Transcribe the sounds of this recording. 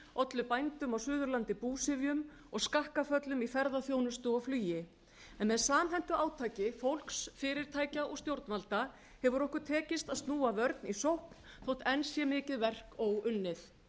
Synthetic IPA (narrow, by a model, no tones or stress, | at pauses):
ɔt̪lʏpajnt̪ʏmawsʏːðʏɾlant̪ɪpuːsɪvjʏm | ɔɣskahkafœt̪lʏmifɛɾðaθjoːwnʏst̪ʏɔwflyːjɪ | ɛnmɛðsaːmɦɛn̥t̪ʏʔaːwt̪ʰaːjcɪfowlksfɪːɾɪɾ̥t̪ʰaːjcaʔɔɣst̪jowɾt̪nalt̪a | hɛvʏɾɔhkʏɾ̥t̪ʰɛːcɪst̪aðst̪nuːavœɾt̪nisowhpn̥ | θowht̪ɛnsjɛmɪːcɪðvɛr̥kowʏnːɪθ